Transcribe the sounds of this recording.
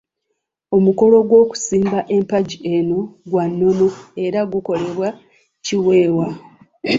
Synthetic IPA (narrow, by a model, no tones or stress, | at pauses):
o̞muko̞lo̞ɡwo̞ːku̥siːmbaʔe̞mpaɟiʔe̞no̞ɡwanːo̞no̞e̞ɾaɡuko̞le̞βwa | ciwe̞ːwa